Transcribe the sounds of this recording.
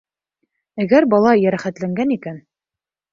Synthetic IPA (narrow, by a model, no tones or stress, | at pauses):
æɡæɾbɑlˠɑjæɾæχæt̪læŋɡænikæn